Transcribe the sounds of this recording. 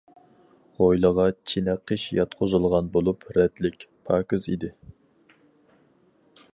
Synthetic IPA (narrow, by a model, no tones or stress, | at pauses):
ʁojlˠəʁɑt͡ʃʰinɛqʰːəʃjɑt̪qʰozɨlˠʁɑnbolˠupɾɛd̪lɪkʲpʰɑːkɨzḭd̪ɪ